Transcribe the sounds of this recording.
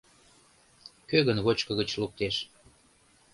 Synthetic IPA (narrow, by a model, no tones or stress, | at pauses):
køɣənβot͡ɕkə̆ɣət͡ɕluk̚t̪eʃ